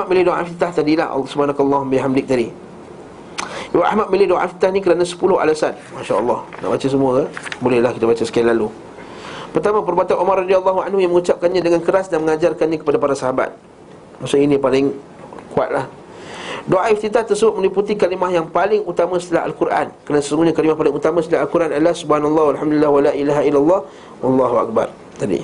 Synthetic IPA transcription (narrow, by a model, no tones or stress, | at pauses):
ahmat̪̚milɪdoa̰ft̪it̪aht̪adila̰hʔsəbəɦanaklˤːɑɦumbiɦamdɪk̚t̪adi | waʔa̰hmat̪̚milɪhdoʔa̰ft̪i̥t̪ahnikəɾanasə̥pulʊɦa̰lasan | maʃaə̰lˠˤːɑhna̰ʔbat͡ʃas̬əmũabolɛhlahkit̪abat͡ʃasə̥kialːalu | pərt̪amãp̬ərbuat̪anʔumarradialˠˤːɑɦua̰nhujaŋməŋut͡ʃap̚kanɲãdəŋankəɾasdanməŋad͡ʒarkanɲãkə̥padapaɾasaɦaba̰t̪̚ | masʊʔinĩpalɪŋ | kua̰t̪̚lah | doaift̪it̪at̪ərsəbʊt̪̚mə̃liput̪ikalimahjaŋpalɪŋut̪amãsə̥t̪əlaɦa̰lkuɾʔa̰nkəɾanasəsəŋɡuɲakalimahpalɪŋut̪amãsət̪əlaɦalkuɾʔanadlahsubhanalˠˤːɑhwalɦamdulilːawalaʔilaɦailːalˤːɑh | wɑlˤːɑɦua̰k̚ba̰r | t̪adḭ